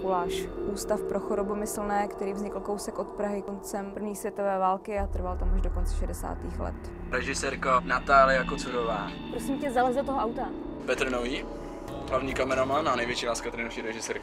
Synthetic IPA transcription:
kolaːʃʔuːst̪afpɾo̞xoɾobomɪsl̩nɛːkt̪ɛɾiːvzɲɪkl̩ko̞wsɛkʔo̞t̪pɾaɦɪkont͡sɛmpr̩vɲiːsvjɛt̪o̞vɛːvaːlkɪat̪r̩valt̪amaʒdokont͡sɛ̥ʃɛdɛsa̰ːt̪iːxlɛ̰t̪ | ɾɛʒɪsɛɾkanat̪aːlɪjakot͡suɾovaː | pɾosimcɛzalɛzdot̪oɦoʔawt̪a | pɛt̪ɾ̩noviː | ɦlavɲiːkamɛɾamananɛjvjɛt͡ʃiːlaːskt̪ɾɪnoʃiːɾɛʒɪsɛːɾk

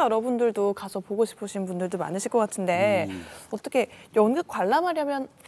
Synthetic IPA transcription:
jʌɾʌbundɯɭdokasʰʌpoɡoɕʰi̥pʰɯɕʰinnpundɯɭdoma̰nɯɕʰiɭk͈ʌk͈atʰɯnde̞ʌt͈ʌkʰe̞jʌnɡɯk̚k͈waɭːamɦaɾjʌmjʌn

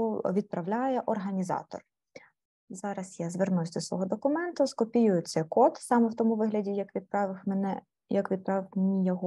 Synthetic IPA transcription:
ɔʋʲid̪̚pɾɐʋlʲajɛʔɔrɦɐnʲizɑ̰t̪ɔ̰r | zɑɾɐsjazʋernʊsʲd̪ɔsʋɔ̰ɦɔd̪ɔkʊmɛnt̪ʊskɔpʲijʊjʊt̪sɛjkɔt̪sɑmɛwt̪ɔmʊʋɪɦlʲɐdʲijɐkʋʲid̪̚pɾɑʋɪxmenɛ | jɐkʋʲid̪̚pɾɑʋɪxmenʲijɐɦɔ

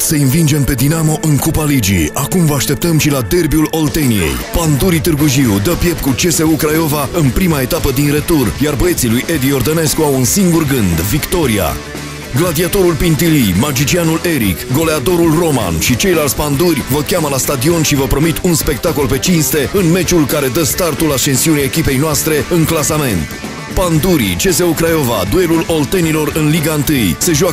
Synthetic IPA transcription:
səinvind͡ʒe̞mpe̞d̪inamo̞ʔɨŋkupalid͡ʒḭakumvəaʃt̪e̞p̚t̪əmʃilad̪e̞rbiulo̞lt̪e̞nije̞̰jpand̪uɾit̪ɨrɡuʒiwd̪əpje̞pkut͡ʃe̞se̞ukɾajo̞vaɨnpɾimae̞t̪apəd̪inre̞t̪urjarbəe̞t̪silujʔe̞d̪io̞rd̪əne̞skuawɨnsiŋɡurɡɨnd̪vikt̪o̞ɾia̰ | ɡlad̪iat̪o̞ɾulpint̪ilimad͡ʒit͡ʃianule̞ɾḭkɡo̞le̞ad̪o̞ɾulro̞ma̰nʃit͡ʃe̞jlalt̪sʲpand̪urʲvəkʲaməlast̪ad̪io̞nʃivəpɾo̞mit̪ʰunspe̞k̚t̪ako̞lpe̞t͡ʃinst̪e̞ɨnme̞t͡ʃulkaɾe̞d̪əst̪art̪ulaʃe̞nsiunʲaekʲipe̞jnoast̪ɾe̞ɨŋklasame̞nt̪ | pand̪uɾḭt͡ʃe̞se̞ukɾajo̞va̰d̪ue̞lulo̞lt̪e̞nilo̞rɨnliɡaɨnt̪ɨjse̞ʒua

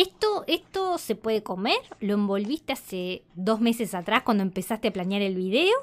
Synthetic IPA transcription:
est̪oest̪osepweðeko̞meɾlo̞embo̞lβist̪easeðo̞zmesesat̪ɾahkwand̪oempesast̪eaplanjaɾe̞lβiðeo

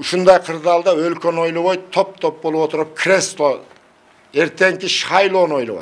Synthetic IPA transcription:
ʊʃʊnd̪ɑjqʰəɾd̪ɑlˠd̪ɑɵlkʲeno̞jlˠəwojt̪ʰo̞p̚t̪ʰop̚bo̞lˠəpwo̞t̪əɾəp̚kʰʲre̞st̪ˠo | e̞ɾt̪e̞ŋkʲɪʃχɑjlˠonojlˠəwo̰

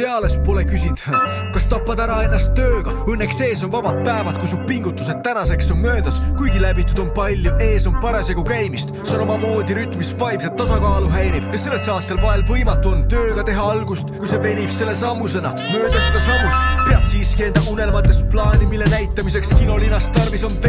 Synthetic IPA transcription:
eɑle̞spo̞le̞kysind̪̥ | kɑst̪ɑpːɑd̪æɾɑe̞nːɑst̪ːøːɡ̥ɑɤnːe̞kse̞ːs̬o̞nvɑb̥ɑd̪̥̚pæevɑt̪kusub̚piŋɡ̥ut̪ːˑuse̞d̪̚t̪ːænɑse̞kso̞nmø̞ːd̪̥ɑskujɡilæbit̪ːˑud̪̥o̞npɑlʲːjuʔe̞ːso̞npɑɾeseɡ̥ukæjmist̪seono̞mɑmo̞ːd̪iɾyt̪ˑmisvɑjms̬et̪ːɑsɑkɑːluɦæjɾibjɑse̞lːesɑːt̪ːˑe̞lpɑelvɤjmɑt̪ːˑuo̞nt̪ø̞ːɡ̥ɑt̪e̞ɦɑɑlɡ̥ust̪kujse̞pe̞nʲib̥se̞lːesɑmːuse̞nɑ̰ | mø̞ːd̪̥ɑsed̪̥ɑsɑmːust̪pe̞ɑb̥siːskie̞nd̪̥ɑʔune̞lmɑt̪ːˑe̞splɑːnʲimilːe̞næjt̪ːˑɑmis̬e̞kskino̞linːɑst̪ɑrviso̞np

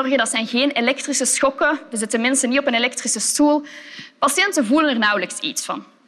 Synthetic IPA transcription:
ɔrɣədɑtsɛjnɣeːnelɛk̚trisəsxɔkəʋəzɪtənmɪnstənitɔpənelɛk̚trisəstuːlˠpɑsjɛntənvulənərnɑwləksḭtsfɑ̰n

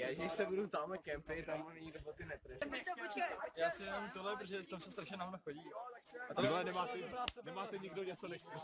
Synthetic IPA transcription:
jaːʒɛdɪʃsɛbudut̪amakɛmpɪt̪ammonnɛɲidobot̪ɪnɛt̪ɾ̩ʒit̪oojaːsɪɛnamt̪olɛp̬ɾoʒɛft̪amsɛst̪ɾaʃɲɛnaɦonoxoɟiːjoat̪alɛnɛmaːt̪ɛanɛmaːt̪ɛɲɪɡdoɲɛt͡sonɛʃɛ

